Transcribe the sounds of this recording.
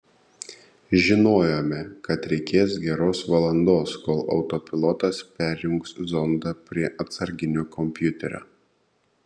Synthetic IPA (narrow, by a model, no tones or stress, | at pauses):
ʒʲɪnoːjoːmʲɛkɐt̪ɾʲɛɪkʲeːsɡʲɛɾoːsʋɐlˠɐnd̪oːskoːlˠɒ̰ʊt̪ɔpʲɪlˠɔt̪ɐspʲæˑɾʲjʊŋkszɔnd̪ɐpʲɾʲiɛʔɐt̪sɐɾʲɡʲɪnʲoːkɔmʲpʲjʊt̪ʲɛɾʲo̰ː